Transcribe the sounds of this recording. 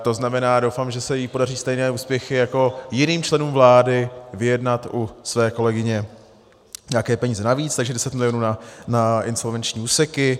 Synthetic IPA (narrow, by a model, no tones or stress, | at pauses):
t̪o̞znamɛnaːdo̞wfamʒɛsɛjipo̞dariːst̪ɛjnɛːuːspjɛxɪjako̞jɪniːmt͡ʃlɛnuːmvlaːdɪvɪjɛdnat̪ʔusvɛːko̞lɛɡɪɲɛ | ɲaakɛːpɛɲiːzɛnaviːt͡st̪aɡʒɛdɛsɛt̪mɪlɪjonuːnanaɪnso̞lvɛnt͡ʃɲiːuːsɛkɪ